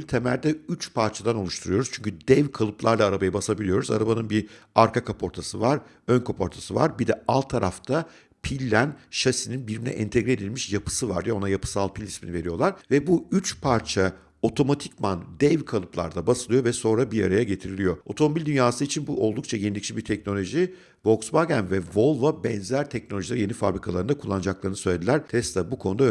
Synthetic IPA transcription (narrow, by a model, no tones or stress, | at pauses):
lʲt̪ʰemæɾd̪ɛyt͡ʃpʰaɾt͡ʃʰad̪ano̞lˠuʃt̪ʰuɾujo̞ɾuz̥t͡ʃʰyɲcʰyd̪ɛvkʰalˠɯplˠaɾlˠaːɾabajabasabilʲijo̞ɾuza̰ɾabanɯnbiaɾkʰakʰapʰo̞ɾt̪ʰasɯvaɾ | ønkʰo̞pʰo̞ɾt̪ʰasɯva̰ɾbid̪ɛʔalˠt̪ʰːaɾaft̪ʰa | pʰilʲːænʃasininbiɾminʲɛ̰ʔɛ̰nt̪ʰeɡɾie̞d̪ilʲmiʃjapʰɯ̥sɯva̰ɾd̪ijo̞najapʰɯ̥salˠpʰilʲisminive̞ɾijo̞lˠaɾvɛbuyt͡ʃpʰaɾt͡ʃʰa | o̞t̪ʰo̞mat̪ʰi̥cmand̪ɛvkʰalˠɯplˠa̰ɾd̪abasɯlˠɯjo̞vɛso̞nɾabiɾa̰ɾajaɟe̞t̪ʰiɾilʲijo̞o̞t̪ʰo̞mo̞bilʲd̪ynjaːsɯit͡ʃʰinbuʔo̞lˠd̪uk̚t͡ʃʰajenid̪ʲict͡ʃʰibiɾt̪ʰɛc̚no̞lʲo̞ʒi | vo̞ksbaɡænvɛvo̞lˠvabɛnzæɾt̪ʰɛc̚nolʲo̞ʒilʲaɾje̞nifa̰bɾikʰalˠaɾɯnd̪akʰulˠːand͡ʒaklˠaɾɯnɯsø̞jlʲed̪ʲilʲæɾt̪ʰɛst̪abukʰo̞nud̪a